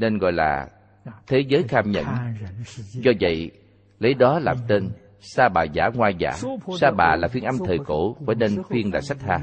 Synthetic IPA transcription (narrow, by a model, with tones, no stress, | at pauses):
ne˧nɣɔ̰˧˨jla̰ː˨˩ | t̪ʰe˨˦zəː˨˦jxaː˧mɲə̰˧˨n | zɔ˧və̰˧˨j | lə˨˦jɗɔ˨˦laː˨˩mt̪e˧n | saː˧ɓaː˨˩zaː˧˩ŋwaː˧jza̰ː˧˩˥saː˧ɓa̰ː˨˩laː˨˩fwi˧ənʔa˧mt̪ʰəː˨˩jko˧˩˦faː˧˩ne˧nfwi˧əŋlaː˨˩sa˦˥t̟̚haː˧